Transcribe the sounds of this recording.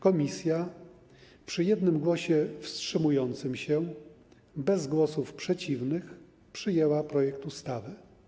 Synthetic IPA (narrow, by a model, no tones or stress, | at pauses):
kɔmʲisʲja | pʂɘjɛd̪nɘmɡwɔɕɛfstʂɘmujɔnt̪sɘmɕɛ | bɛzɡwɔsufpʂɛt͡ɕivnɘx | pʂɘjɛwapɾɔjɛk̚t̪ust̪avɘ